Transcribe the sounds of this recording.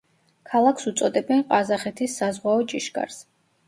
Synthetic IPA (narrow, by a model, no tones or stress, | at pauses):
kʰalˠakʰsut̪sʼɔd̪ɛbɛnqʼazaχɛt̪ʰisːazʁwaɔt͡ʃʼiʃɡʼa̰ɾs